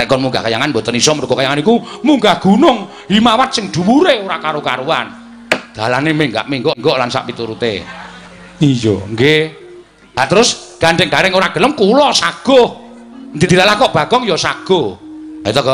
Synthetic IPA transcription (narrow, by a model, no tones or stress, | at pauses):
ɾɛkɔnmuŋɡa̰hkajaŋanmbɔt̪ənisɔməɾuɡɔkajaŋanikumuŋɡahɡ̥unʊŋ | ɦimawat̪̚sɪŋd̪̥ṳwuɾeoɾakaɾokaɾuwa̰n | d̪̥a̤lanemeŋɡa̰ʔmiŋɡɔŋɡɔʔlansa̰ʔpit̪uɾut̪ḛ | ijɔ̰ŋɡe | lat̪əɾʊsɡ̥aɳɖɛŋd̥̪aɾɛŋoɾaɡ̥ə̤ləmkulɔsaɡ̥ɔh | nd̪id̪iɾalahkɔʔb̥a̤ɡ̥ɔŋjɔsaɡ̥ɔait̪ɔk